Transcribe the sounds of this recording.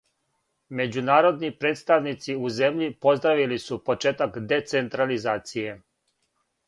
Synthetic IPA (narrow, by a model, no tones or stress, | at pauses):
me̞d͡ʑunaːɾo̞d̪nipɾe̞ːt̪st̪aʋnit̪siuze̞mʎipo̞zd̪ɾaʋilisupo̞t͡ʃeːt̪akd̪e̞t̪se̞nt̪ɾalizaːt̪sije̞